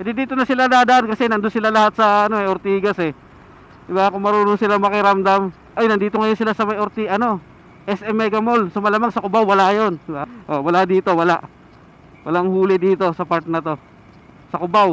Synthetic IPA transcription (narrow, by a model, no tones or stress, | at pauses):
d̪ɪd̪iːt̪onɐsɪlad̪ad̪ɐʔankɐsɛnɐnd̪ʊnsɪlalɐɦat̪̚sɐɐnoɐjoɾt̪iːɡasɛ | d̪ɪbakʊŋmɐɾuːnonsɪlamɐkɪɾamd̪am | ʔojnɐnd̪iːt̪oŋɐjosɪlasɐmɐjʔoɾt̪iʔɐno̞ | ʔɛsʔɛmːɛɡɐmolsomɐlaːmaŋsɐkʊbawwɐlaʔjonɪbaʔowɐlaʔd̪iːt̪o̞wɐlaʔ | wɐlaʔŋhuːlɪd̪iːt̪o̞sɐpaɾt̪̚nɐt̪o̞ | sɐkʊbaw